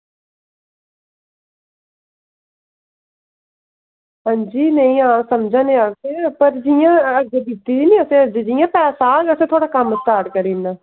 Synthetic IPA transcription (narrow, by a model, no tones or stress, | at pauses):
ɦãːɲd͡ʒiːnəĩːãːsəmd͡ʒãːneãːtepəɾd͡ʒɪjãːəd͡ʒed̪it̪ːiːiːnĩːəsẽːəd͡ʒed͡ʒɪjãːpɛːsãːɡəsẽːt̪ʰoːɽaːkəməstaːɾʈkəɾiːnd̪aː